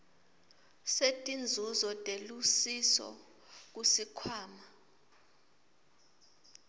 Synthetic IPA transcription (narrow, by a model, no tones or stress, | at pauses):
setʼind͡zʱuzɔtʼelusisɔ̰ | k̬usikʰwaːma